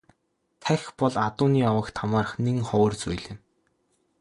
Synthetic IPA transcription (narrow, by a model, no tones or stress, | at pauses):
t̪ʰæxpɔɮat̪ʊːniːɔwə̆kt̪ʰamaːrə̆χneŋχɔːrt͡sujɮɪ̆n